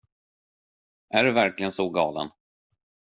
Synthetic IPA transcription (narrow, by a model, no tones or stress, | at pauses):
ʔæɖɵvæɾklɪɡənsɔɡɑːlə̰n